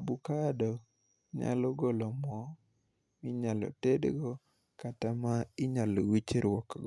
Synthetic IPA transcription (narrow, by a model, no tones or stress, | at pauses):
abukadɔ | ɲa̰lɔɡolɔmɔ | mɪɲalɔ̰tedɡɔ | katamaɪɲalowit͡ʃeɾwɔkɡɔ